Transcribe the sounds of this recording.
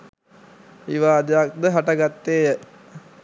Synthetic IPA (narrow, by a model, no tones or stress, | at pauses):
iʋaːd̪ejak̚d̪əɦaʈaɡat̪ːeːjə